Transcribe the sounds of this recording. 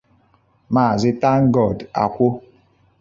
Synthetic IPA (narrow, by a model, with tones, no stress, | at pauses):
maː˨zɪ˦ta˦ŋ̩˦ɡɔ˨da̰˨kʷo˦